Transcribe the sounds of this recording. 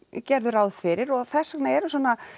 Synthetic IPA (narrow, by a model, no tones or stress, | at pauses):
cɛɾðʏɾaːwðfɪɾɪɾɔɣθɛsːaknaɛɾʏswɔːna